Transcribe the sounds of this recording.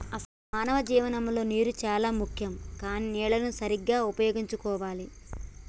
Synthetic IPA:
ɐsɐlumaːnɐʋɐd͡ʒiːʋɐnɐmlo̞ːniːɾut͡ʃaːlaːmukʰjɐmkaːninɛːɭɐnusɐɾiɡːaːupɐjo̞ːɡiɲt͡ʃukɔːʋaːli

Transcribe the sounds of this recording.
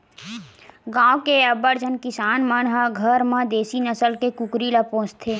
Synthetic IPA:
ɡãːõkeɐbəɾd͡ʒʱənkɪsaːnmənɦaɡʱəɾmãd̪eːsinəsəlkekʊkɾilapõːst̪ʰeː

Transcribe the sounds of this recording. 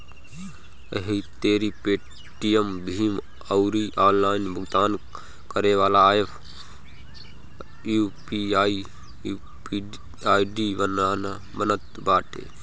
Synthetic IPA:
ə̰ɦit̪eːɾipeː | ʈijəmbʱiːm | əwɾiːʔaːllaːinbʱʊɡt̪aːn | kəɾeʋaːlaːjepʰ | juːpiaːi | aːiɖiːʋɐnaːna | bənət̪baːʈḛː

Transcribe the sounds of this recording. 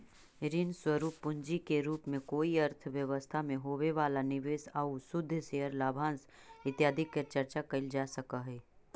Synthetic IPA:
ɾɪnswəɾuːpːʊ̃ɲd͡ʒikeɾuːpmẽkoːiɐɾt̪ʰʋjɐʋəst̪ʰamẽɦoːʋeʋaːlanɪʋeːsaːusʊd̪ʱːseːɦəɾlaːbʱãːns | ɪt̪jaːd̪ʱɪkːəɾt͡ʃɐɾt͡ʃakɐild͡ʒaːsɐkaɦɛː

